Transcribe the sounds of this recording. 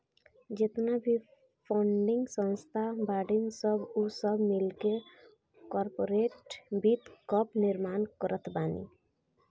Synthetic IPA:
d͡ʒet̪nabʱi | pʰɔɳɖɪŋɡsə̃nst̪ʰabaːɖɪŋɡsəbusəbmɪlke | kɔɾpoɾeʈbit̪kɔpnɪɾmaːnkəɾʔət̪ʰbaːnḭ

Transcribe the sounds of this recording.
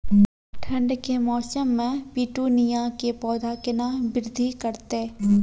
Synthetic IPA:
ʈʰɐ̃ɳɖkemɔːsəmːẽpiːʈunijakepɔːd̪akɪnabɪɾd̪ʱikəɾt̪eː

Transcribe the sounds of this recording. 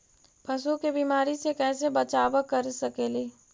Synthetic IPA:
pʰɐsukebiːmaːɾisekɛːs̬ebɐt͡ʃaːʋəkɐɾsɐkeːliː

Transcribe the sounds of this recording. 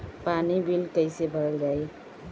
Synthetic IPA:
panibilkəjsebʱəɾld͡zaj

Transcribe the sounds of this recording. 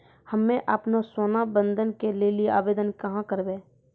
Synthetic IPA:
həmːẽʔaːpnasoːnabə̃nd̪ʱənkelelieʔaːbeːd̪ənkɐɦãkəɾbeː

